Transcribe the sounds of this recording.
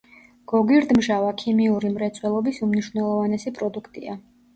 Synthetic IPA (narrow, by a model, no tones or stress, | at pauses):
ɡ̥ɔɡiɾd̪mʒavakʰimiuɾimɾɛt̪sʰʼwɛlˠɔbisumniʃwvnɛlˠɔvanɛsipʼɾɔd̪ukʰt̪ʼia